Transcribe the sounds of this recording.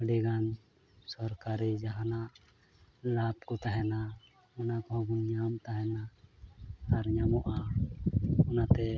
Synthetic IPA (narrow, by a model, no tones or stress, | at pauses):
ɽiɡan | sɔɾkaɾid͡ʒaɦanaʔ | lapkɔt̪aɦɛna | ɔnakɔɦɔ̃ɡɔɲamt̪aɦɛna | aɾɲamɔʔa | ɔnat̪ɛ